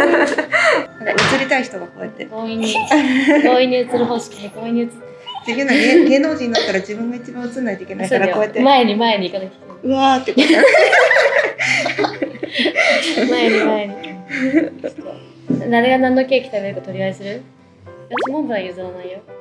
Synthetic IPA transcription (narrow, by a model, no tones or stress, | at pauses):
aaɯt͡sɨɾʲit̪aiçi̥t̪oɡako̞ːet̪ːeɡoːiɲːikoːiɲ̟ːiɯ̟t͡sɨɾɯ̟ɦo̞ːɕi̥kʲineko̞ːiɲ̟ːiɯ̟t͡sɨ̥t̪ːed͡ʑiɡɯ̃naɡeɡe̞ːno̞ːd͡ʑĩɲiːat̪ːaɾad͡ʑibɯ̟̃ŋɡait͡ɕibãɯt͡sɨ̃nːaijt̪oikʲenaisaɾaejkoet̪ːemaeɲ̟imae̞ɲ̟iːkanakʲi̥t̪ẽɯ̟at̪ːek | maeɲimaeɲ̟i | o | d̪aɾe̞ɡanãnːo̞kʲe̞ːkʲi̥t̪abe̞ɾɯ̟kat̪o̞ɾʲiaesɨɾɯ̟ | jasmõmbɯãjɯzaɾanaijo